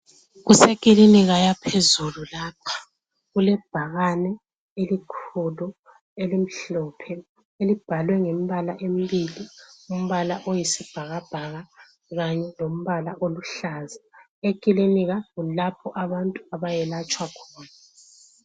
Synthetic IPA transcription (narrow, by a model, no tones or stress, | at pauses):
ɣusekʼiliniɣajapʰezululaːpʰḁ | ɣulɛb̥ʱaɣanɛ | elikʰulu | elim̩ɬɔːpʰɛ | elib̥ʱalwɛŋem̩βala̰ʔemibilium̩βalaʔojisib̥ʱaɣab̥ʱaɣa | ɣaɲɛlom̩βalaʔoluɬaːza | ekʼiliniɣaɣulapʰɔʔaβantʼuaβajɛlat͡ʃʼwakʰɔːna